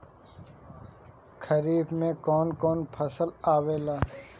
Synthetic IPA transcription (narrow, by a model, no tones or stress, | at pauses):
kʰəɾiːbmẽkɔːnkɔːnpʰɐsəlaːweːlaː